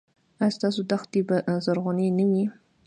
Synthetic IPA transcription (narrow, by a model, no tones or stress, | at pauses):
ajst̪ɑsod̪axt̪̚ibazaɾɣonenəwi